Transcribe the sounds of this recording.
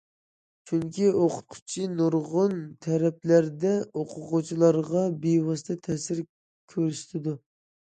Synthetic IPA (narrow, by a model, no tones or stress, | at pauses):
t͡ʃʰyŋkʲioqʰʊ̥t̪̚qʰʊ̥t͡ʃʰinuɾʁʊnt̪ʰɛɾɛplæɾd̪ɛoqʰʊʁʊt͡ʃʰilˠɑɾʁɑbejwɑst̪ʰɨt̪ʰɛsɪɾ | kʲʰøɾysɪ̥t̪ʰɪd̪u